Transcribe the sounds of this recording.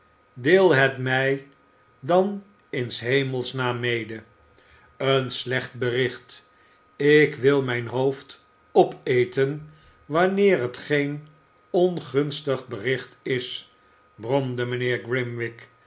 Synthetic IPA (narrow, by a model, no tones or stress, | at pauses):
dɪːlˠɦɛtmɛj | dɑn | ɪnsɦejməlˠsnaːmejdə | ənslɛχt̚bərɪχt | ɪkʋɪlˠmɛjnɦowft | ɔpejtən | ʋɑnɪːrɦətχejn | ɔnχɵnstəχbərɪχtɪs | brɔmdəmənɪːɹɡrɪmʋɪk